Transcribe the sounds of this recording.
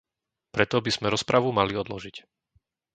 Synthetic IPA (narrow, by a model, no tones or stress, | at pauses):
pɾɛt̪ɔbiz̥mɛɾɔspɾaʋumaliɔd̪lɔʒic